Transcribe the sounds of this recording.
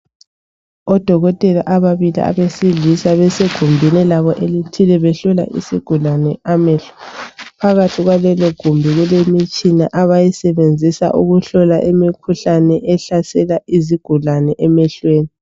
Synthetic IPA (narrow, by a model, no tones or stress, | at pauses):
ɔd̥ʱɔɣɔtʼɛlaʔaβaβilḭʔa̰βesiɮisaβɛseɡ̥ʱumbʱinɛlaβɔʔelitʰilɛβɛɬɔla̰ʔḭsḭɡ̥ʱulanɛamɛɬɔ̥pʰaɣatʰiɣwalɛlɔɡ̥ʱumbʱiɣulemit͡ʃʼinaʔaβajisɛβend͡zʱisa̰ʔuɣuɬɔlaʔemikʰuɬanɛʔɛɬasɛlaiziɡ̥ʱulanɛʔɛmɛɬweːni